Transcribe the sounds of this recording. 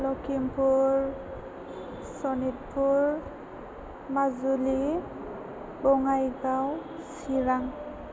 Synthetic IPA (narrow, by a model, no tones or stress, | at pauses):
lɔkimpuɹ | sɔnit̚pʰuɹ | mazuli | bɔŋajɡaw | siɹaŋ